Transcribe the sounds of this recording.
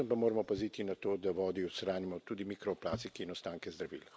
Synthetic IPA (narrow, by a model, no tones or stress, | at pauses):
əmpamoːɾamɔpazit̪inat̪oːd̪aʋɔːd̪iwsɾaːnimɔt̪ud̪imikɾɔplaːsikɛinɔst̪aːŋkɛzd̪ɾɐʋḭl